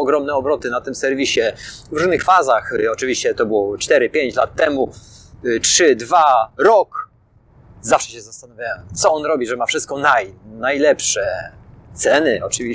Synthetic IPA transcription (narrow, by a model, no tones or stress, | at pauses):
ɔɡɾɔmnɛɔbɾɔt̪ɘnat̪ɘmsɛɾvʲiɕɛvɾuʐnɘxfazaxɔt͡ʂɨvʲiɕt͡ɕɛt̪ɔbɘwɔt͡ʂt̪ɛɾɘpʲjeɲt͡ɕlat̪ːɛmu | tʂɘd̪vaɾɔk | zafʂɛɕɛzast̪anavʲjawɛɛmt̪sɔɔnɾɔbʲiʐɛmafʂɘst̪kɔnajnajlɛpʂɛt̪sɛnɘʔɔt͡ʂɘvʲi